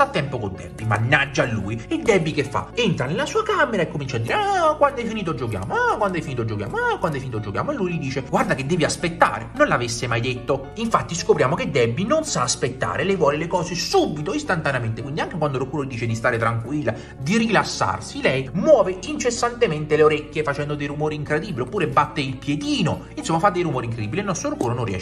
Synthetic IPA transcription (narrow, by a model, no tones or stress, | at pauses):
sat̪ːɛmpokont̪ɛ̰mpima̰nːad͡ʒːalːṵːied̪ɛbːikefːa̰ent̪ɾanelasuːakameɾaekːomint͡ʃad̪iːɾeakwand̪ɛfːiniːt̪̬od͡ʒːok̬ja̰ːmoakwand̪oɛfinit̪od͡ʒːokja̰ːmoakwand̪ɛfːinit̪od͡ʒokja̰ːmoelːujlid̪iːt͡ʃeɡward̪aked̪ːɛːviaspet̪ːa̰ːɾḛnonlavesːemajd̪et̪ːo | iɱfat̪ːiskopɾjaːmoked̪ːɛbːinonsaːspet̪ːa̰ːɾelɛjvwɔːlelekɔːsesubːit̪oist̪ant̪aneament̪ekwind̪iaŋkekwand̪oɾokuːɾolid̪iːt͡ʃed̪ist̪aːɾet̪ɾaŋkwilːa̰ | d̪irilasːa̰rsilɛjmwɔːveint͡ʃesːant̪ement̪eleoɾɛkʲːjefat͡ʃɛnd̪od̪ejɾumoːɾiiŋkɾed̪ibːiliopːuːɾebat̪ːeilpjed̪iːno | insomːafad̪ːejɾumoːɾiŋkɾed̪iːbːileilnɔst̪ɾoɾukuːɾonõnriɛ̰ːʃ